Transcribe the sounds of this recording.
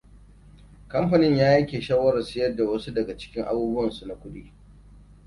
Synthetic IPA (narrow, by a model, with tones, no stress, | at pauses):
kɐ˦mɸɐ˨nɪ˦ɲjaː˦jɐ˦kʲeː˨ʃaː˦wɐ˦ɾɐ˨sɪ˦jɐ˦rda˨wɐ˦su˦dɐ˨ɡa˨t͡ʃɪ̥˦kʲɪ˦ŋʔa̰˦buː˦bʊ˦ɐ˨nsu˨na˨kʷʊ˦ɗi˦